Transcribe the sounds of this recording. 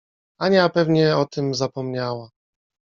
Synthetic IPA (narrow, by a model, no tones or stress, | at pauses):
aɲapɛvɲɛɔt̪ɘmzapɔmɲawa